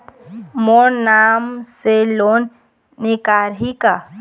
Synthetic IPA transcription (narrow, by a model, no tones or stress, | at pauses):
moːnnaːmseloːn | nekaɾɦika